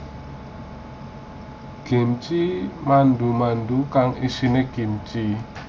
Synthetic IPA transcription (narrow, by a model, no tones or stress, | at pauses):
ɡ̥e̤mt͡ʃimand̪umand̪ukaŋisineɡ̥i̤mt͡ʃi